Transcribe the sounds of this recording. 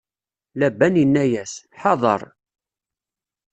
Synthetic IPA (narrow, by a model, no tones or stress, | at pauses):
læbːænjənːæjæsħɑðˤɑ̰ɾˤ